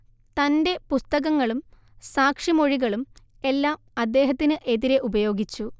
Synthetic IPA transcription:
t̪ɐnde̞pust̪ɐɣɐŋːɐɭum | saːkʂimo̞ɻiɣɐɭum | e̞lːaːmɐd̪ːe̞ːɦɐt̪ːinɨʔe̞ðiɾeʔubɐjo̞ːɡit͡ɕːu

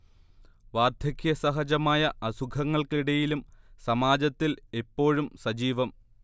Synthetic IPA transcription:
ʋaːrd̪ʱjɐkjɐsɐɦɐd͡ʑɐmaːjɐʔɐsukʰɐŋːɐɭkɭiɽɐjilumsɐmaːd͡ʑɐt̪ːile̞pːo̞ːɻumsɐd͡ʑiːʋɐm

